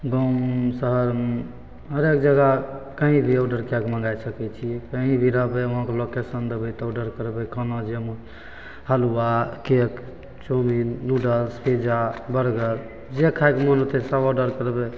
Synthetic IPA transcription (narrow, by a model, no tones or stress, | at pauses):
ɡɔmsəɦəɾme | ɦəɾek̚d͡ʒəɡakəɦĩbʱiɔɖəɾkakmə̃ŋɡajsəkɛt͡ʃʰiɛkəɦĩbʱiɾəɦbeoɦãkelokesənd̪ebɛt̪ɔoɖəɾkəɾbekʰənod͡ʒem | həluakek | t͡ʃominuɖəlspʰed͡ʒabəɾɡəɾ | d͡ʒekʰaekmənot̪ʰɛsabɔɖəɾkəɾbe